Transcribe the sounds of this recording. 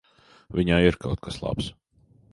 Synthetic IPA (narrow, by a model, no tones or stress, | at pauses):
vʲiɲaːiɾkawt̪̚kaslˠa̰ps